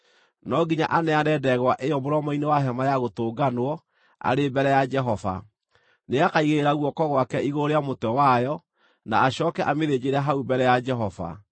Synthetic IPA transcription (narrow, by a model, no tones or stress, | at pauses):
nɔɡiɲa̰ʔanɛaɾɛdɛɣwaʔejɔmoɾɔmɔinewaɦɛmajaɣotoːɡanwɔ | a̰ɾebɛɾɛjad͡ʒɛɦɔva̰ | neakaiɣeɾeɾaɣwɔkɔɣwakɛiɣoɾeamotɛwajɔ | na̰ːɕɔkɛʔameðed͡ʑeɾɛɦaubɛɾɛjad͡ʒɛɦɔva̰